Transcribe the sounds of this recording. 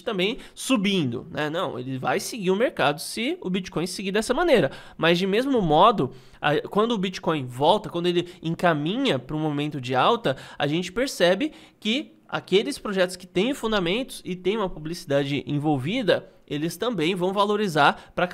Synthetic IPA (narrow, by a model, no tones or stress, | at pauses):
t̪ɐ̃mbẽj̃ | subĩnd̪ʊ̰nɛnɐ̃w̃ḛlɪvajsɪɡiɾʊmeɾkad̪ʊsɪʊbit͡ʃi̥kõj̃siɡid̪ɛsɐmɐ̃nejɾɐ | mɐzd͡ʒɪmezmʊmɔd̪ʊ | kwɐ̃nd̪ʊbit͡ʃi̥kõj̃vɔwt̪ɐkwɐ̃nʊelɪẽŋkamĩɲɐpɾʊũmõmẽnt̪ʊd͡ʒɪawt̪ɐa̰ʒẽnt͡ʃɪ̥peɾsɛbɪ | kɪ | a̰kelɪspɾoʒɛt̪ʊskɪ̥t̪ẽj̃fũnd̪amẽnt̪ʊ̥sɪt̪ẽj̃ũmɐpublisid̪ad͡ʒɪʔḛ̃vowvid̪ɐ | elɪst̪ɐ̃mbẽj̃vɐ̃w̃valoɾizaɾpɾɐ